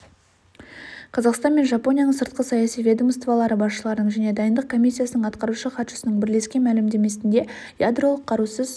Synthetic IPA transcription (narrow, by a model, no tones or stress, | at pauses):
qʰɑzɑqst̪ɑnme̞nʒɑpo̞nʲijanəɴsəɾt̪̚qəsɑjɑsijvʲe̞d̪omst̪vɑlˠɑɾəbɑsʃəlˠɑɾənəɴʒæne̞d̪ɑjənd̪əq̚kʰo̞mijsʲːijasənəɴɑt̪qɑɾuʃəχɑt̪ʃə̥sənəɴbɪɾle̞skʲe̞nmælɪmd̪e̞me̞sɪnd̪e̞ | jad̪ro̞lˠəqʰːɑɾusəz